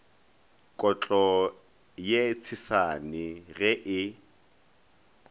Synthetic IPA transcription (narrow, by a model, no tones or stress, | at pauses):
kʼɔt͡ɬʼɔ | jet͡sʰɪsanɪɣɛʔɪ